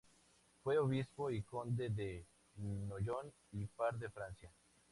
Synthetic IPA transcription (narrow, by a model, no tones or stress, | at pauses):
fweoβispoikond̪eðe | noʝon | ipaɾðefɾansja